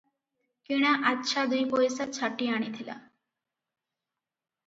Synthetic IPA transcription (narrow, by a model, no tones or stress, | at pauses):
kiɽ̃aʔatːʃʰad̪ujpojsat͡ɕʰaʈːiaɽ̃it̪ʰila̰